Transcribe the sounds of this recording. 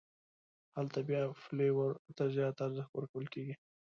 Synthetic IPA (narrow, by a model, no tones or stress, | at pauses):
halt̪abjɑflewəɾt̪azjɑt̪aaɾzəxt̪wəɾkawəlkeɡi